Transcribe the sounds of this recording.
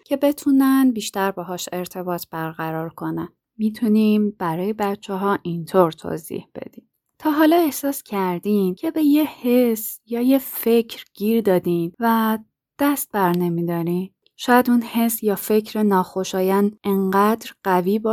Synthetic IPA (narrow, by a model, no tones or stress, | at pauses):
cʰe̞be̞t̪ʰuːnænbiːʃt̪æɾbɛɦɒːʃe̞ɾt̪ʰe̞bɒːt̪ʰb̥æɾɣæɾɒːɾkʰo̞næn | mit̪ʰunimb̥æɾɒːje̞bætt͡ʃʰːeɦɒːʔint̪ʰoɾt̪ʰo̰ːzḭːhb̥e̞̰d̪̥iːm | t̪ʰɒːɦɒːlɒːe̞hsɒːscʰæɾd̪iːmcʰe̞be̞jehesjɒːjefe̞cʰɾɟ̥iːɾd̪ɒːd̪iːnvæ | d̪̥æst̪̚bæɾne̞miːd̪ɒːɾin | ʃɒːjæd̪unhe̞sjɒːfe̞cʰɾenɒːxo̞ʃɒːjæneŋɢæd̪ɾɢæviːbɒ